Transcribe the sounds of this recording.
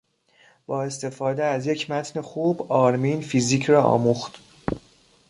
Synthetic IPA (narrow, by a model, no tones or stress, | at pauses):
b̥ɒːe̞st̪e̞fɒːd̪eæzje̞cʰmæt̪ʰnexuːbɒːɾmiːnfiːziːcʰrɒːʔɒ̰ːmuxt̪